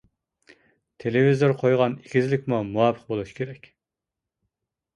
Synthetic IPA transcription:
t̪ʰelevizoɾqʰojʁɑnikʲʰizlɪkʲmumuwɑːpʰəq̚bolˠuʃkʲʰeɾɛkʲ

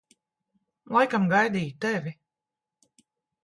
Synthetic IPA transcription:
lˠajkamɡajd̪iːt̪ɛvʲi

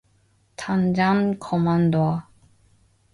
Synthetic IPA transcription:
t̪ʰand͡ʑankʰɔmandoa

